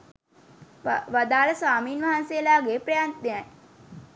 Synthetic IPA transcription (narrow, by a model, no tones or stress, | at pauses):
ʋad̪aːləsaːmiːnʋaɦansejəlaːɡeːpɾejant̪neaj